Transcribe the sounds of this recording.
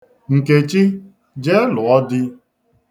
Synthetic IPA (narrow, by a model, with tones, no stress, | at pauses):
ŋ̩˨ke˨t͡ʃi˦ | d͡ʒe˦lʊ˨ɔ˦dɪ˦